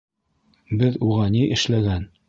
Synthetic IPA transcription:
bɘðuʁɑniʔɘ̆ʃlæɡæn

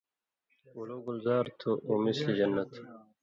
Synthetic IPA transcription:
uloɡulzaːɾt̪ʰoʔumislid͡ʑɐnːɐt̪ʰ

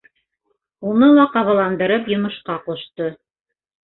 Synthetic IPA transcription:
unɤlˠɑqɑβɑ̆lˠɑnd̪ɤ̆ɾɤpjŏmɤ̆ʃqɑqŏʃt̪ɤ

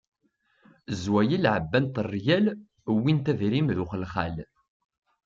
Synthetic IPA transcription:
zwæjilʕəbːænt̪ərˤːjæl | wint̪æðɾimðuχəlχæl

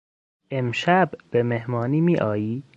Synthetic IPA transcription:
ʔemʃæbb̥emehmɒːniːmiːʔɒːjiː

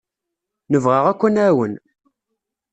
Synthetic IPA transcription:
nəvʁəʁækʷːænæwən

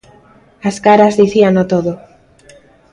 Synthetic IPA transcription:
askaɾazðiθianot̪oðo

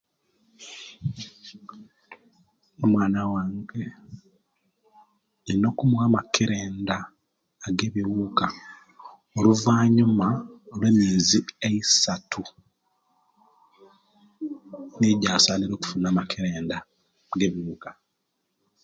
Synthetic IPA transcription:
emwaːnawaːŋɡe | ino̞kumuwaːmakeɾeːndaː | ɡe̞ːβiwuːka | oluvaːɲumaolwe̞ːmiːzieisatʰu | neːɟaːsaːliɾo̞ːku̥funaːmakʰeɾeːnda | ɡe̞ːβiwuːkḁ

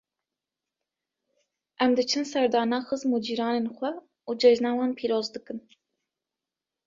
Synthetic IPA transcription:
ʔɛmd̪ɨt͡ʃʰɨnsɛɾd̪ɑːnɑːxɨzmud͡ʒiːɾɑːneːnxʷɛ | uːd͡ʒɛʒnɑːwɑːnpʰiːɾoːzd̪ɨkɨn

